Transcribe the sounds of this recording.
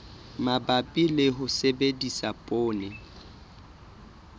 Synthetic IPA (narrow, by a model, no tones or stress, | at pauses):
mabapʼilɪɦʊsebedisapʼoːnɪ